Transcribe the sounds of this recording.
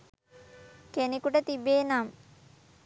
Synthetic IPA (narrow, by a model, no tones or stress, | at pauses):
kenekuʈət̪ibeːnam